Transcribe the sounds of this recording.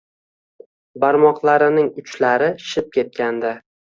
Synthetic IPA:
baɾmɒqlˠaɾɪnɪŋʊt͡ʃlaɾɪʃɪp̚kʲe̞t̪̚kʲand̪a

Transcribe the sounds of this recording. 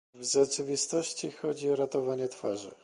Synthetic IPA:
vzɛt͡ʂɘvʲist̪ɔɕt͡ɕixɔd͡ʑiɔɾat̪ɔvaɲɛt̪faʐɘ̰

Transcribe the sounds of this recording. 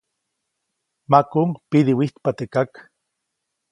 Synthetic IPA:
makuŋpiðiwiht̪pat̪ekak

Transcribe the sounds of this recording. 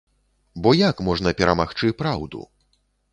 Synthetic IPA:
bɔjakmɔʐnɐpʲɛɾɐmaxt͡ʂɨpɾawd̪ṵ

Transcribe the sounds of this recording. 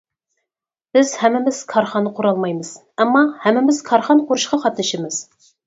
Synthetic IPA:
b̥ɪzhæmːɪmɪz̥kʰɑɾχɑnːəqʰoɾɑlˠmɑjmɨz̥ | æmːɑhæmːɪmɪz̥kʰɑɾχɑnqʰoɾuʃqɑqɑt̪nɨʃɪmɨz̥

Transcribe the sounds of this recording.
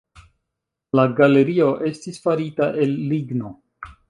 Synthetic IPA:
laɡale̞ɾio̞ʔe̞stisfaɾitaʔe̞lːiɡno̞

